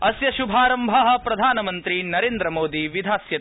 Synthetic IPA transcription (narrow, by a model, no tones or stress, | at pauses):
ɐsjɐʃubʱaːɾɐmbʱɐɦɐ̆pɾɐd̪ʱaːnɐmɐnt̪ɾinɐɾeːnd̪ɾɐmoːd̪iʋid̪ʱaːsjɐ